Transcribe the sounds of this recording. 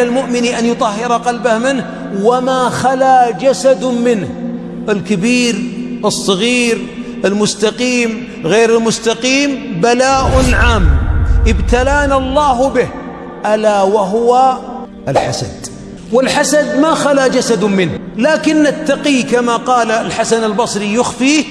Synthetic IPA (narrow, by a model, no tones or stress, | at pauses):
almʊʔmɪniʔanjʊt̪ˤɑhːɪɾɑqɑlbahmɪnh | wamaxalad͡ʒasad̪mɪnh | ʔɪlkabiːɾʔɨsˤːɨɣiːɾ | ʔɪlmʊst̪aqiːm | ɣeːɾɪlmʊst̪aqiːmbalaːʔʊnʕaːmːʔɪbt̪alaːnalˤːɑːhbɪh | ʔalawaɦʊwa | ʔɪlħasa̰d̪̥ | wɪlħasad̪maxalad͡ʒasad̪mɪnhlaːkɪnːat̪ːɑqikamaqɑːlalħasanalbɑsˤɾijʊxfiː